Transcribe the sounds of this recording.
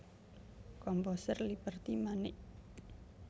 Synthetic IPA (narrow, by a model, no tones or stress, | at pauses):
kɔmpɔsərlipərt̪imanɪʔ